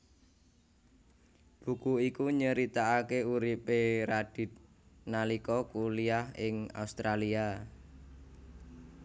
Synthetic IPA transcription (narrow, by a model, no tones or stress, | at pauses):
b̥ukuikuɲəɾit̪aːkeuɾipeɾaɖ̥i̤t̪̚ | nalikɔkuliaɦɪŋa̰ust̪ɾalia